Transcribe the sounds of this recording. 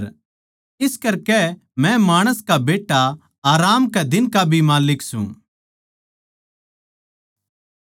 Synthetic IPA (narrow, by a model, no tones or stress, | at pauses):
ɪskɐɾkɛ | mɛ̃maːɽ̃əskabeːʈːa | aːɾaːmkɛd̪ɪnkabʱimaːlɪksṵ̃